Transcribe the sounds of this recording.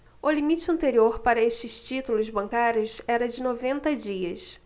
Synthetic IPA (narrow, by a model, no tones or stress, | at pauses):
ʊlimit͡ʃɪɐ̃nt̪eɾioɾpaɾɐeʃt͡ʃɪst͡ʃit̪ulʊzbɐ̃ŋkaɾʲjʊsɛɾɐd͡ʒɪnovẽnt̪ɐd͡ʒiɐs